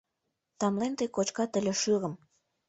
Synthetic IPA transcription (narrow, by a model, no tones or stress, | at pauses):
t̪ɑmlent̪əjkot͡ʃkɑt̪ə̆lʲeʃɯʁə̆m